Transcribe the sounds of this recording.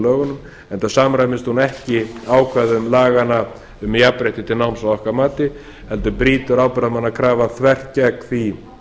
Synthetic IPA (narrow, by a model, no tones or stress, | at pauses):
lœːɣʏnʏm | ɛnt̪asamɾajmɪst̪hunɛhcɪaːwkʰvaðʏmlaːɣana | ʏmjapɾɛjht̪ɪt̪ʰɪlnawmsawɔhkaɾmaːt̪ɪ | hɛlt̪ʏpɾiːt̪ʏɾaːwpɛɾamanːakʰɾaːvaθʰvɛr̥t̪̚cɛkθi